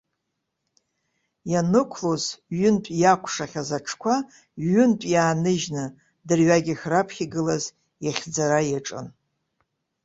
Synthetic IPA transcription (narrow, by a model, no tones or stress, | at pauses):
janɨkʷʰlozɥʏntʷʼjakʷʼʰʂaχʲazaʈ͡ʂʰkʷʰa | ɥʏntʷʼjaːnɨʒnɨ | dɨrɥaɡʲiχʲrapʰχʲiɡɨlaz | jaχʲd͡zaɾajaʈ͡ʂʼɨ̰n